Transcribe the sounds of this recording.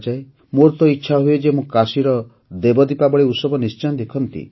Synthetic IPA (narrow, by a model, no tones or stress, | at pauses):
d͡ʒae | moɾt̪ɔitːʃʰaɦued͡ʒemũkasiɾɔ | d̪ebɔd̪ipabɔɭiusɔbɔnist͡ʃanɔd̪ekʰɔnt̪ḭ